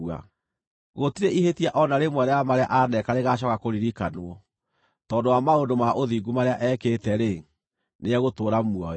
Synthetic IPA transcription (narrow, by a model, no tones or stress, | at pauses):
a̰ | ɣotiɾeʔihetiaʔɔnaɾemwɛɾɛjamaɾea̰ʔanɛkaɾeɣaɕ̬ɔkakoɾiɾikanoɔ | tɔndowamaondomaʔoðiɡumaɾeaʔɛːketɛɾe | neɛɣotoːɾamwɔɛ